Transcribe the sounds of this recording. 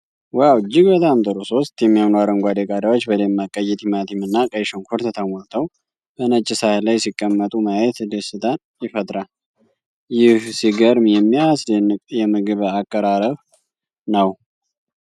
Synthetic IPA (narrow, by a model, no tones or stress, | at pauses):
wawɨd͡ʒːɪɡbət̪ʼamt̪ʼəɾoso̞st̪jɛmːijanuaɾəŋɡʷad̪ekʼad̪awot͡ʃːbələmːakʼəjɛt̪ʰimat̪ʰimɨnːakʼəjʃoŋkʰoɾt̪ʰət̪ʰəmɔnt̪ʰəw | bənət͡ʃʼːɪsahlajsikʼːəmːət̪ʼumajɛt̪d̪əsɨt̪ʰʼan | jɪfət̪ʼɾa | jɪhsiɡəɾmjɛmːijasjɛmɨɡɨβakʼːəɾaɾəβ | nəw